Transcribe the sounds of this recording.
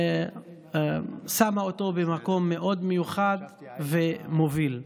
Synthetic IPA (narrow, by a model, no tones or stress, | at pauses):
samaot̪o̞bemako̞mːeʔo̞d̪mejuχad̪ve̞mo̞vil